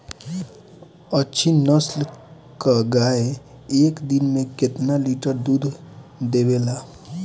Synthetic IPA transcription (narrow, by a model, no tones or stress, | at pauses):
ətːʃʰinəsl | kaɡaːe | eːkd̪ɪnmẽkɪt̪naliːʈəɾd̪uːd̪ʱd̪eːweːlaː